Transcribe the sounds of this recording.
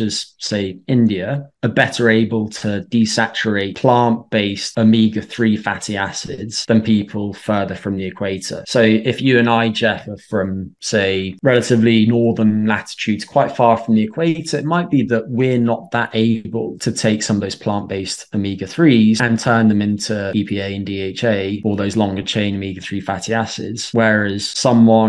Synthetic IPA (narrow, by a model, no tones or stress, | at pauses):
d͡ʒʌz̥seɪɪ̃ndiəəbɛtəɹeɪbəlˠtʰədisat͡ʃəɹeɪtpʰl̥ɑ̃ˑnb̥eɪstəmiːɡəθɹiːfatiasɪdz̥ðə̃npʰiˑpʰəlˠfɜːðəfɹə̃mðiɪkʰw̥eɪtə̰soʊɪfjʉə̃naɪd͡ʒɛfəfɹə̃mseɪɹɛlətɪvlinɔːðənlatɪ̥t͡ʃʰʉːdz̥kʰw̥aɪtfɑːfɹə̃mðiɪkʰw̥eɪtəɹɪt̚maɪʔ̚b̥iðəʔwɪəɹnəʔ̪ðəteɪbə̰lˠtʰətʰeɪksʌ̃məvðəʊz̥pʰl̥ɑ̃ˑnb̥eɪstəmiːɡəθɹiːzə̃ntʰɜːnðə̃mɪ̃ntʰuiːpʰiːeɪə̃ndiːeɪt͡ʃeɪəlˠðəʊzlɒ̃ŋɡət͡ʃʰẽɪ̃nəmiːɡəθɹiːfatʰiasɪ̰dz̥wɛɹəz̥sʌ̃mwɒ̃n